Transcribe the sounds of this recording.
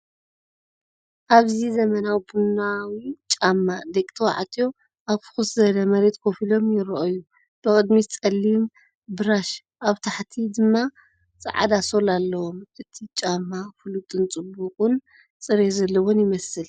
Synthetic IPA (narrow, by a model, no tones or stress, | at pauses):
ʔaβzizɐmɐnawbunawit͡ʃʼamːad̪ekʼt̪ʰwa̰ʕt̪ʰjo̞ | ʔaβfɨ̥xɨszɐlɐmɐɾe̞t̪kʰofilo̞mjɪɾɐʔoju | b̥ɨkʼɨd̪mit͡sʼɐlːim | bɨɾaʃ | ʔaβt̪ʰaħt̪ʰid̪ɨmːa | t͡sʼɨ̰ʕa̰d̪aso̞lalːɐwo̞mʔɨt̪ʰit͡ʃʼamːafɨlut̪ʼɨnt͡sʼɨbːuqʼun | t͡sʼɨɾezɐlːɐwonjɪmɐsɨl